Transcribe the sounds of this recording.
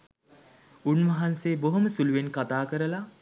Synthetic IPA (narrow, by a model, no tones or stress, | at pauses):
unʋɐɦanseːboɦoməsuluʋenkat̪aːkəɾəla